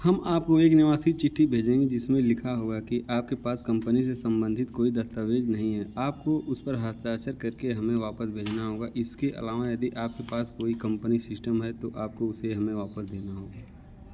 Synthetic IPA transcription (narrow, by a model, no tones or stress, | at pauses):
hɐmaːp̚koeːknɪʋaːsit͡ʃɪʈʰːibʱeːd͡ʒẽːŋɡid͡ʒɪsmẽlɪkʰaɦoːɡakiʔaːp̚kepaːskɐ̃mpənisesɐ̃mbə̃nd̪ʱɪt̪koːid̪ɐst̪əʋeːd͡ʒnɐɦĩɦɛaːp̚koʔʊspɐɾɦaːt̪saːt͡ʃəɾkɐɾkeɦɐmẽʋaːpəsbʱeːd͡ʒnaɦoːɡaʔɪskeʔɐ̰laːʋajɐd̪iʔaːp̚kepaːskoːikɐ̃mpənisɪsʈəmɦɛt̪oʔaːp̚koʊseɦɐmẽʋaːpəsd̪eːnaɦoːɡaː